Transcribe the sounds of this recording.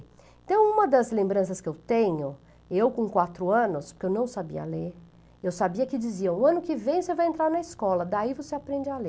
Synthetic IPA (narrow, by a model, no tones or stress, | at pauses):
ẽnt̪ɐ̃w̃ũmɐd̪ɐzlẽmbɾɐ̃sɐskɪewt̪ẽɲʊ | ewkõkwat̪ɾʊɐ̃nʊspʊɾkewnɐ̃w̃sabḭɐ̰leɾ | ewsabiɐkɪd͡ʒiziɐ̃ʊɐ̃nʊkɪvẽj̃ʊosevajẽnt̪ɾaɾnɐɪskɔlɐd̪aivoseapɾẽnd͡ʒɪale